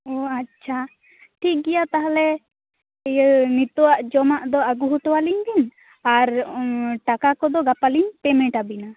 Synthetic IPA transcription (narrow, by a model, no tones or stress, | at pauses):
ɔat͡ʃʰa | ʈʰik̚ɡɛjat̪aɦalɛ | nit̪ɔwaʔd͡ʒɔmaʔd̪ɔaɡuɦuʈɔwaliɲbin | aɾʈakakɔd̪ɔɡapaliɲpɛmɛ̃ʈabina